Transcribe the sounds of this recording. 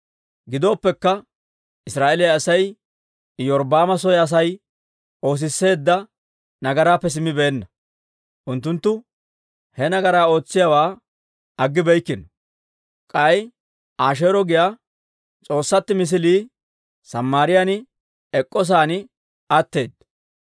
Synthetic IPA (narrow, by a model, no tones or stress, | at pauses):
ɡɪd̪o̞ːpːɛkːɐ | ʔɪsɾaːʔelɛjɐsɐj | jɔɾbaːmɐsɔjɛɐs̬ɐj | o̞ːs̬ɪsːe̞ːd̪ːɐ | nɐɡɐɾaːpːɛs̬ɪmːɪbe̞ːnːɐ | ʔʊnt̪ːʊnt̪ːʊ | hɛnɐɡɐɾaːo̞ːt͡sːɪjawaː | ɐɡːɪbɛjkːɪnɐ | kʼɐj | ʔaːʃ̬e̞ːɾɔɡɪja | t͡sʼo̞ːsːɐt̪ːɪmɪs̬ɪliː | sɐmːaːɾɪjanɪ | ɛkʼːɔs̬aːnɪ | ʔɐt̪ːe̞ːd̪ːɐ